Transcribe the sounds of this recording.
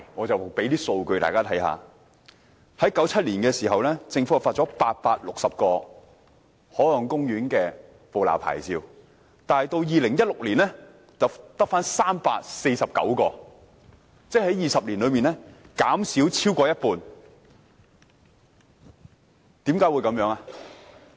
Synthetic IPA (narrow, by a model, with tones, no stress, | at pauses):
ŋɔː˨˧t͡sɐ˨˩wpe˨˥jt̪iː˥so˧wkɵ˧jt̪a̰ː˨jkaː˥t̪ʰɐ˨˥jha̰ː˨˧ | hɐ˨˥jkɐ˨˥wt͡sʰɐ˥t̚liː˨˩nkɛː˧siː˨˩ɦɐ˨wlɛː˥t͡sɪ˧ŋfu˨˥jɐ˨˩wfaː˧t̚t͡sɔː˨˥paː˧t̚paː˧t̚lʊ˨k̚sɐ˨p̚kɔː˧ | hɔː˨˥lɔ˨ŋkʊ˥ŋɥyː˨˥nkɛː˧ | po˨wla̰ː˨˩wpʰa̰ː˨˩jt͡siː˧w | t̪aː˨nhɐ˨jt̪o˧wjiː˨lɪ˨˩ŋjɐ˥t̚lʊ˨k̚liː˨˩nlɛ˥ | t͡sɐ˨wt̪ɐ˥k̚faː˥nsaː˥mpaː˧t̚se˧jsɐ˨p̚kɐ̰˨˥wkɔː˧ | t͡sɛː˥hɐ˨˥jiː˨sɐ˨p̚liː˨˩nlɵ˨˧ɥmiː˨nɛː˥kaː˨˥msiː˨˥wt͡sʰiː˥wkɔː˧jɐ˥t̚puː˨n | t̪iː˨˥mkaː˨˥jwu˨˧jkɐ˨˧mjœː˨˥ŋa˨